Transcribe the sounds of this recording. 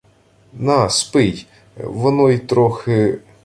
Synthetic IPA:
nɑspɪj | ʋɔnɔit̪ɾɔxɪ

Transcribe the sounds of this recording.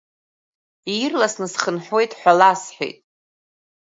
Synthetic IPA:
irlasnɨsχənħʷe̞jtʼħʷᶣalasħʷᶣḛjtʼ

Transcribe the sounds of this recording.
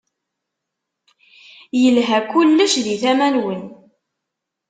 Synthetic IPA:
jəlɦækulːəʃðiθæmænwən

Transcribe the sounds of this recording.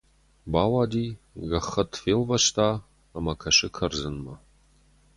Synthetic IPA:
baːwaːdiː | ɣɐχɐtʰfeːlvɐʃtʰaː | mɐkʰɐʃɪkʰɐrzɨnmɐ

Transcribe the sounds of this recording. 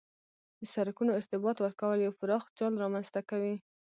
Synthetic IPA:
d̪əsaɾakunoɪɾt̪ɪbɑt̪wəɾkawəljawpəɾɑxd͡ʒɑlɾɑmanz̥t̪akawi

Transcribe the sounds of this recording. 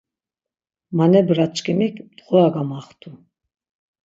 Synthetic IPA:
manɛbɾat͡ʃʼkʰʼimikʰd̪ʼʁɔaɡamaχt̪ʰu

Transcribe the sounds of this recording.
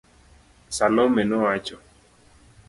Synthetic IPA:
salɔmɛnɔat͡ʃɔ

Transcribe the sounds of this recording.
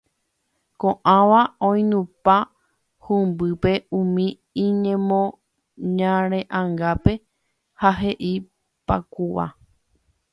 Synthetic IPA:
kõʔãʋaõj̃nũpa | hũmbɨpe̞ũmĩ | ĩɲẽmõ | ɲãɾ̃ẽʔãŋɡape̞ | haɦe̞ʔi | pakuʋa̰

